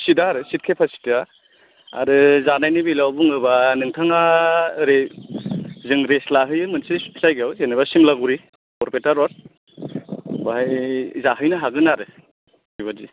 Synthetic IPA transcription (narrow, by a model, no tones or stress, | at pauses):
sidaɾɯsit̚kʰepʰasi̥ta | a̰ɾɯzanajnibilawbuŋɯbanɯŋtʰaŋaɾe | zɯŋɾeslaɦɯjɯmɯnsisajɡawsenabasimlaɡuɾi | ɔɾpetaɾɔɾ | bajzaɦɯjnɯɦaɡɯnaɾɯ | iβazi